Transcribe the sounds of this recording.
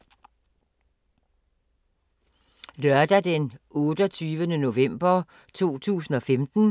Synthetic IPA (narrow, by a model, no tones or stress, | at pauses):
lɶɐd̥æd̥enɔ̽ːd̥ɒt͡sʰyːʋənəno̝ʋem̰b̥ɐ | t͡sʰo̝̰ːt͡sʰṵːsn̩ɒ̽femd̥n̩